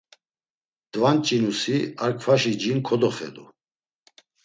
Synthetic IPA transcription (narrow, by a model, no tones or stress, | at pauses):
d̪vant͡ʃʼinusiaɾkʰfaʃid͡ʒinkʰɔd̪ɔχɛ̰d̪ṵ